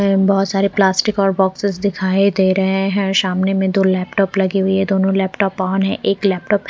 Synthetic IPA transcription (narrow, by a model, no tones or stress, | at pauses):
bɔɦʊt̪saːɾeplaːsʈɪkɔːɾbɔːksɪzd̪ɪkʰaːid̪eːɾɐɦẽɦɛ̃ʃaːmnemẽd̪oːlɛːpʈɔːplɐɡiɦʊiɦɛ̃d̪oːnõlɛːpʈɔːpɔːnɦɛ̰̃ʔeːklɛːp̚ʈɔːp